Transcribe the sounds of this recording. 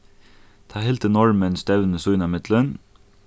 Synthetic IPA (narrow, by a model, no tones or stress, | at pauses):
t̪ʰɑːheːlt̪ənɔɹmənsd̪ɛʋnəsuʏnɑmɪt̪lən